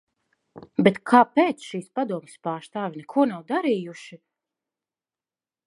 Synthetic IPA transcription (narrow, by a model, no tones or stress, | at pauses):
bɛt̪kʰaːpɛːt̪sʃiːspad̪uɔmspaːɾst̪aːvʲinɛkʰuɔnawd̪aɾiːjuʃi